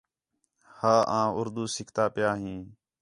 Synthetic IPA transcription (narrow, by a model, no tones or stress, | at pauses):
haːʔãːʊɾd̪uːsɪkʰt̪aːpɪjaːɦĩː